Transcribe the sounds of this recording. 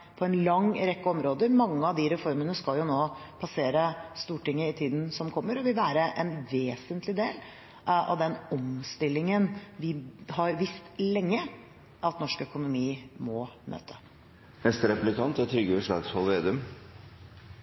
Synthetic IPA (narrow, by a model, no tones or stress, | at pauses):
pʰɔɛnlɑŋɾɛkːəɔmɾoːd̪əɾmɑŋːəɑʋd̪iɾɛfɔɾmənəskɑljʊnoːpʰɑseːɾəst̪uːʈɪŋːəɪt̪ʰiːd̪n̩sɔmkʰɔmːəɾɔʋɪlʋæːɾəʔɛnʋeːsənt̪ʰlɪd̪eːl | ɑ̰ʋd̪ɛnɔmst̪ɪlːɪŋənʋɪhɑɾʋɪst̪lɛŋːə | ʔɑt̪nɔʂkœkʊnʊmiːmɔmʔø̰ːt̪ʰə̥ | nɛst̪ɾɛplɪkʰɑnt̪ɛt̪ʰɾʏɡəʋəʂlɑ̰ːɡshɔlˠʋeːd̪ʉm